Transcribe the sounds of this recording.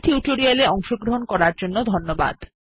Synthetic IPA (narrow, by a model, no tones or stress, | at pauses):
ʈʰiuʈoɾialeɔŋʃoɡɾoɦonkɔɾaɾd͡ʑonːod̪ʱonːoba̰d̪